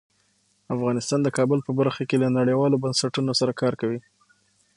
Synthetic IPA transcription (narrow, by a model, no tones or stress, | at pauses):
afɣɑnɪst̪ɑnd̪əkɑbʊlpəbaɾxakelanaɽewɑlobansaʈunosaɾakɑɾkawi